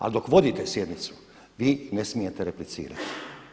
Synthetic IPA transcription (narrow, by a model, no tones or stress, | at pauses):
a̰ld̪o̞kʋo̞d̪iːt̪esje̞d̪nit̪su̥ | ʋiːne̞smije̞t̪eɾeplit̪sḭːɾa̰t̪i̥